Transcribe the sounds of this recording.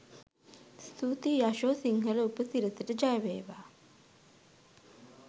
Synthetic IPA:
st̪uːt̪ijaʃoːsiŋɦələupəsiɾəsəʈəd͡ʒajʋeːʋaː

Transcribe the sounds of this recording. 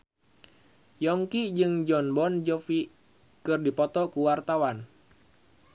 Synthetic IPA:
jɔŋkid͡ʒɨŋd͡ʒɔnbɔnd͡ʒɔfi | kɨrdipɔt̪ɔkuwart̪awan

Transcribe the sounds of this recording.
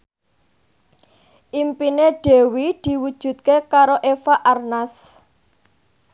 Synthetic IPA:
ʔimpineɖ̥e̤wid̪̥i̤wud̥ʒ̥ṳt̪̚kekaɾoʔefaʔarnas

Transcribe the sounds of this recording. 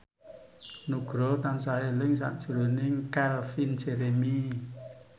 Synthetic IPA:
nuɡɾoːt̪ansaelɨŋs̬a̰ʔsuɾuniŋkalfinseɾemiː

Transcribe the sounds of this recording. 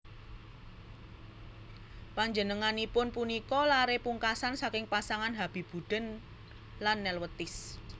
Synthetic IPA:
paɲd͡ʒənəŋanipʊnpunikɔlaɾepuŋkasansakɪŋpasaŋanɦab̥i̤b̥ṳd̥ə̤n | lanːɛlwət̪ɪs

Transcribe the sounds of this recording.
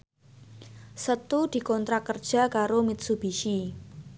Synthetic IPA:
sət̪ud̪̥i̤kɔnt̪ɾakərd̥ʒ̥a̤kaɾomɪt̪̚sub̥i̤ʃi

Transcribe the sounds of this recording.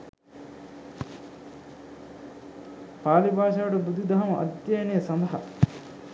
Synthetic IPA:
paːlibʱaːʃɐʋɐʈɐbud̪id̪ɐɦɐmɐʔɐ̰d̪jaːnijɐsɐnd̪ɐɦɐ̰

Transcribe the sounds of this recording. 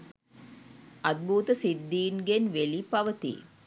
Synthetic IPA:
ɐd̪̚bʱuːt̪əsid̪ːiːnɡenʋelipɐʋət̪ḭ

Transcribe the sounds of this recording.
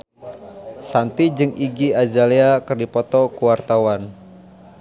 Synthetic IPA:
sant̪id͡ʒɨŋiɡiad͡ʒaleakɨrdipɔt̪ɔkuwart̪awan

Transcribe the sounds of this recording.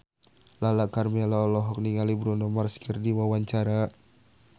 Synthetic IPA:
lalakarmɛlaɔlɔɦɔk̚niŋalibɾɔnɔmarskirdiwawaɲt͡ʃaɾa

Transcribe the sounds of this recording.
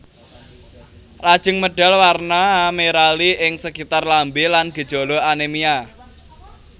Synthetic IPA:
lad̥ʒ̥ɪ̤ŋməɖ̥a̤lwarnameɾaliʔɪŋsəkit̪arlambelanɡ̥ə̤d̥ʒ̥ɔ̤lɔanemia

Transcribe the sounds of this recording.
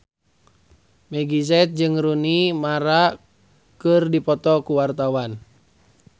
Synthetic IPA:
mɛɡizɛt̪̚d͡ʒɨŋɾunimaɾa | kɨrdipɔt̪ɔkuwart̪awan

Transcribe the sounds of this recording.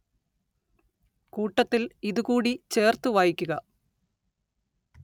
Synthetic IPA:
kuːʈːɐt̪ːiliðukuːɽit͡ɕe̞ːrt̪uʋaːjikʲːuɣɐ

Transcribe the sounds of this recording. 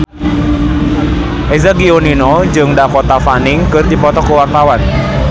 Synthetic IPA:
ʔezaɡioninɔd͡ʒɨŋdakot̪afanɪŋkərd̪ipɔt̪ɔkəwart̪awan

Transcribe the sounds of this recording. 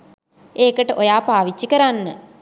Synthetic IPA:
eːkəʈəʔojaːpaːʋit͡ʃːikəɾanːə

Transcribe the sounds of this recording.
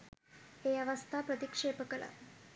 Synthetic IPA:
ejaʋɐst̪ʰaːpɾət̪ikʂeːpəkəla̰

